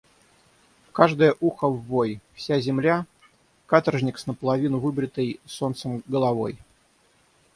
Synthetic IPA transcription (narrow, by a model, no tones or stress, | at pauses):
kaʐd̪əjəʔuxəvːojfsʲazʲɪmlʲa | kat̪ərʐnʲɪksnəpəlˠɐvʲinʊvɨbɾʲɪt̪əjso̞nt̪səmɡəlˠɐvo̞j